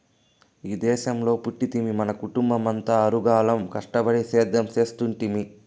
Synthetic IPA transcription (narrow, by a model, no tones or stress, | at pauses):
iːd̪ɛːʃɐmlo̞ːpuʈːit̪imimɐnɐkuʈumbɐmɐnt̪aɐɾuɡaːlɐmkɐʂʈɐbɐɽisɛːd̪ʱːɐmt͡ʃe̞ːst̪uɳʈimi